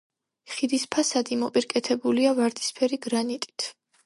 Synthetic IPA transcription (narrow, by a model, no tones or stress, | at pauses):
χid̪ispʰasad̪imɔpʼiɾkʼɛt̪ʰɛbuliavaɾd̪ʰi̥spʰɛɾiɡɾanit̪ʼi̥t̪ʰ